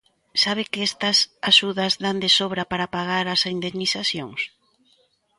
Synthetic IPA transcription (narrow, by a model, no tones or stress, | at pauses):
saβ̞ɪkɪest̪ɐsaʃuðɐzd̪and̪esoβɾɐpaɾapaɣaɾɐsind̪emniθaθjoŋs